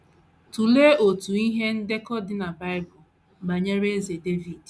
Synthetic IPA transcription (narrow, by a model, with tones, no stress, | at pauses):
tu˨le˦o˨tu˨i˦ɦe˦n̩˦de˦kɔ˦dɪ˦na˨ba˦ɪ˦bʊ˨ | ɡ͡ba˨ɲe˦ɾe˦e˦ze˨de˦vi˨d